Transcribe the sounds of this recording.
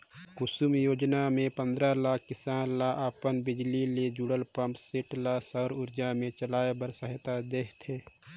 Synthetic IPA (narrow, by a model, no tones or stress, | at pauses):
kʊsʊmjoːd͡ʒnamẽpə̃nd̪ɾalaːkʰkɪsaːnlaʔaːpənbɪd͡ʒliled͡ʒuɽəlpə̃mpseʈlasəɾʊɾd͡ʒamẽt͡ʃəlaːebəɾsəɦɪt̪ad̪eːɦt̪ʰeː